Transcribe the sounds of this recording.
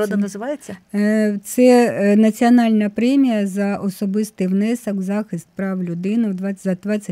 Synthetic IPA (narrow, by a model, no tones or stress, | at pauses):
od̪ɐnɐzɪʋɑjet͡sʲːɐt̪sɛnɐt͡sʲiɔnɑlʲnɐpɾɛmʲijɐzɐʔɔsɔbɪst̪ɪjwnɛsɐkzɑxɪst̪̚pɾɑwlʲʊd̪ɪnɪwd̪ʋɑzɐd̪ʋɑt͡sʲːɐ